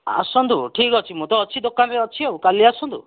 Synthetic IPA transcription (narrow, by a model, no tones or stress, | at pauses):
a̰sɔnd̪uʈʰikɦɔt͡ʃʰimut̪ɔːt͡ʃʰid̪okanɾeɔt͡ʃʰiɦaukaliasɔnd̪u